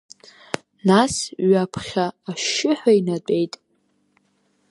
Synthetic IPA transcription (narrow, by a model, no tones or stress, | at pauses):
nasɥapʰχʲaːʃɪħʷᶣainat͡pʼe̞jtʼ